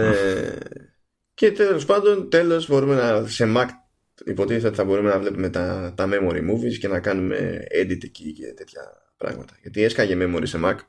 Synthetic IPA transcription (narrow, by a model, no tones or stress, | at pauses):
e | ce̞t̪elo̞spɐnd̪o̞nt̪e̞lo̞zbo̞ɾume̞nɐse̞mɐk | ḭpo̞t̪içes̬ot̪iθɐbo̞ɾume̞nɐvle̞pume̞t̪ɐt̪ɐme̞mo̞ɾḭmuvisce̞nɐkɐnumḛed̪it̪icice̞̰t̪e̞t̪çɐ̰ | pɾɐ̰ɣmɐ̰t̪ɐʝɐt̪ie̞skɐʝeme̞mo̞ɾise̞mɐk